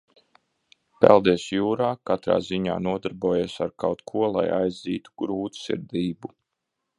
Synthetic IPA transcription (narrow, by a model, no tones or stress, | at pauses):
pɛ̰lˠd̪esjuːɾaːkat̪ɾa̰ːziɲa̰ːnuɔd̪aɾbuɔːjeːsaɾkawt̪kʰuɔlˠa̰ja̰jzziːt̪u̥ɡ̥ɾuːt̪sḭɾd̪iːbu